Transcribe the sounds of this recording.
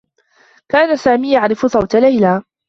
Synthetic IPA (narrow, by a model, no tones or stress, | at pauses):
kaːnasaːmiːjaʕɾɪfʊsˤɑwt̪alajlaː